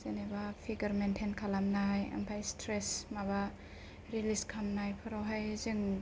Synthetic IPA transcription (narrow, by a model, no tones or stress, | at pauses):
zenebapʰiɡɐɾmentʰenkʰalamnaja̰mpʰajstɾesmaba | ɾiliskʰamnajpʰɯɾawɦajzɯŋ